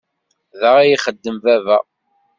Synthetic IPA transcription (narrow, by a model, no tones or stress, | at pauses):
ðəʁæjiχəd̪ːəmvævæ̰